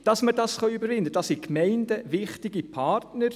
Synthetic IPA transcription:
d̥ɑsmədɑsχɑybəɾvɪndəd̥ɑsikmɛɪndəʋɪχtɪɡipʰɑrtnəɾ

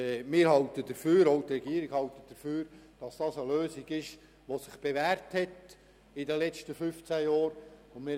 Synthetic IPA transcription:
mɪːɾhɑltədəɾføːɾoʊtɾɛɡiːɾiɡ̥hɑltət̚d̥əɾføːɾd̥ɑsd̥ɑːsəløːsiɡɪʃ | ʋosɪχb̥eʋæːɾthɛt | ɪdɛlɛt͡stəfʏft͡sæjɑːɾʊnmɪ

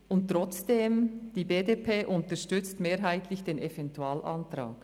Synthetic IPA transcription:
ʔʊnttɾɔt͡sd̥eːmd̥iːbeːdepʰeːʔʊntəʃtʏt͡stmeːɾɦaɪtʰlɪçd̥eːnɛvɛntuaːlʔɑntɾa̰ːk

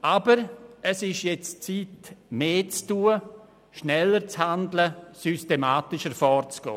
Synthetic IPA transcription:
ʔabəɾɛsɪʃjɛt͡st͡siːtmeːt͡stuːə | ʃnɛlːəɾt͡shandləsystemaːtɪʃəɾfɔːrt͡sɡ̥ɔ̰ː

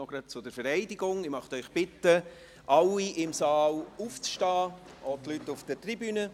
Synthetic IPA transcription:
oɡ̥ɾɑt̚t͡sʊd̥əɾfəɾɛɪdɪɡʊŋɪmɑχtœʏχb̥ɪt̪ːə | ʔɑlːiʔɪmsɑːluːft͡sʃtaː | ʔotlytːʊfd̥ətɾibyːnə

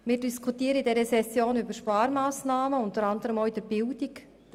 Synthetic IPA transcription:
mɪːɾdiskʰutiːəɾəidɛɾəsɛsjoːnybəɾʃpɑːɾmaːsnaːməʊntəɾɑndəɾəmoːid̥əɾbɪldik

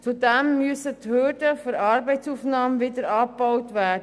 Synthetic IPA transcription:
t͡sudɛmːyəsəthøːrdəfɔɾɑːɾbɛɪt͡suːfnɑːmʋɪdəɾɑːb̥ɔwtʋæːd

